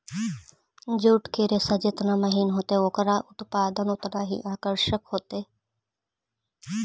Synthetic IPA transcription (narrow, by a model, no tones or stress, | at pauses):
d͡ʒuːʈkeːɾesɐd͡ʒet̪naːmɐɦiːnɦoːt̪eoːkɾaːʔʊt̪paːd̪ənot̪naːɦḭʔaːkəɾʃəkɦoːt̪eː